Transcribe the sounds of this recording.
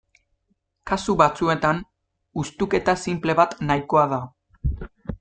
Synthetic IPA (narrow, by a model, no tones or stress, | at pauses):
kasuβat͡sue̞t̪an | ust̪uke̞t̪asimple̞βat̪najko̞aða